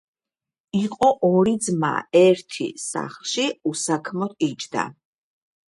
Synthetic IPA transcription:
iqʼɔʔɔɾid̪zma̰ɛɾt̪ʰḭsa̰χlˠʃiusakʰmɔt̪̚ʰid͡ʒd̪a̰

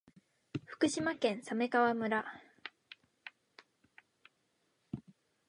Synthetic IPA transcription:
ɸɯ̟̥kɯ̟ɕimakẽ̞ɰ̃same̞kaβamɯ̟ɾa

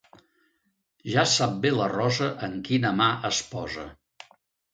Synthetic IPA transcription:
ʒasap̚belərɔzəʔəŋkinəmaʔəspɔzə̰

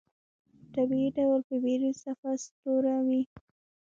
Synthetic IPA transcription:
t̪abiiɖawlpəbeɾisafast̪oɾawi

